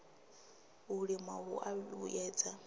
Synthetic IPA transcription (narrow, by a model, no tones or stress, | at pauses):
uɺimaɦṵʔaṵjɛːd͡za